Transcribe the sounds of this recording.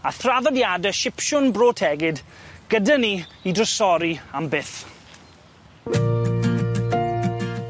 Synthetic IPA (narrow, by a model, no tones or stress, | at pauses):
aθraðɔdjadəʃɪpʃʊnbroːtʰɛɡɪdɡ̥ədaniidrəsɔɾiambɪθ